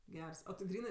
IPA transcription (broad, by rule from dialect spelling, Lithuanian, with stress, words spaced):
ˈɡʲɛrs oː tʲɪ ˈɡrʲiːnɜ